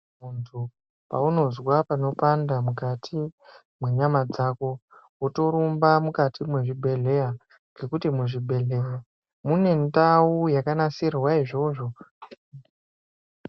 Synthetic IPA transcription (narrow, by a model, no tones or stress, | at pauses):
muntʰu | pa̰uno̞zwapano̞pandamukatʰi | mwe̞ɲamad͡zako̞woto̞ɾumbamukatʰimwe̞ʐibʱe̞ɮe̞ja | ŋɡe̞kutimuʐibʱe̞ɮea | mune̞ntaujakanasiɾwaiʐo̞ʐo̞